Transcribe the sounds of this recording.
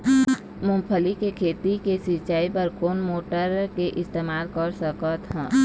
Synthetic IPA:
mʊ̃mpʰəlikekʰeːt̪ikesit͡ʃaːipəɾkoːnmoːʈəɾkeʔɪst̪eːmaːlkəɾsəkət̪ɦɛ̃ː

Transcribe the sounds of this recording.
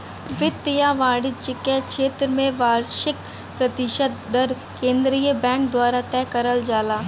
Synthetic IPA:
ʋɪt̪ːɪjaʋaːɽɪt͡ʃɪkekʃʰeːt̪ɾəmẽʋaːɾʃɪk̚ | pɾɐt̪ɪʃəd̪̚ːəɾ | kẽːnd̪ɾijəbɛ̃ːŋk̚d̪waːɾat̪ɛːkəɾəld͡ʒaːlaː

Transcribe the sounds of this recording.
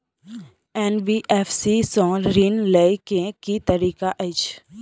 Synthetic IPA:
ɛːnbiʔɛfʰsisɔ̃ːɾinleikẽkit̪əɾiːkaʔəɪt͡ʃ

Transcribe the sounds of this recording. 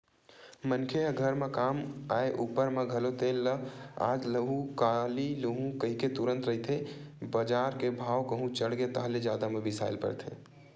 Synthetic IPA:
mənkʰeɦəɡʱəɾmekaːmaeʔupəɾmeɡʱəlot̪elːəa̰ːd͡ʒləɡũkaliluɦũkəɦiket̪uɾə̃nt̪ɾəɦit̪ʰebəd͡ʒaːɾkebʱaːwkəɦũt͡ʃəɽɡet̪əɦled͡ʒaːd̪amebɪsa̰ɪlpə̰ɾt̪ʰe

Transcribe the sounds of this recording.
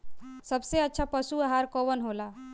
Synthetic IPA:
səbseətːʃʰapəsuəɦaɾkoʋənɦola

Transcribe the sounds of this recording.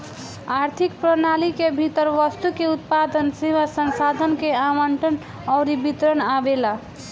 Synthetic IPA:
aɾt̪ʰikpɾənalikebʱit̪əɾʋəst̪ukeut̪̚pad̪ənseβasənsad̪ʱənkeaməɳʈən | ɔʊɾibit̪ɾənabela

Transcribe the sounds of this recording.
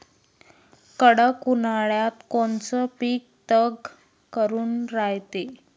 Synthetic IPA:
kəɽəkːunaɭjat̪kont͡sɔpiːk̚ | t̪əɡ | kəɾuːnɾajt̪e

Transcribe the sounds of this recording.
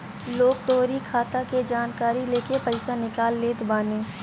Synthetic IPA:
loːɡʈ̪oːɾikʰaːt̪aked͡ʒaːnkaːɾileːkepɐɪsanɪkaːlːeːt̪baːnẽː

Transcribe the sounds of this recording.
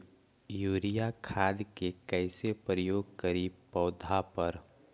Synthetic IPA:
juːɾijakʰaːd̪kekɛɪsepɾəjoːɡ̚kəɾiːbpɔːʊd̪ʱapɐɾ

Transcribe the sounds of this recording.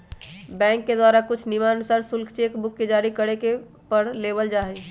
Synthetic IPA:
bɛ̃ːŋkːed̪waːɾakʊt͡ʃʰnimanʊsaːɾsʊlkʰt͡ʃekbʊkːed͡ʒaːɾikəɽeke | pəɽleːbəld͡ʒaːɦe

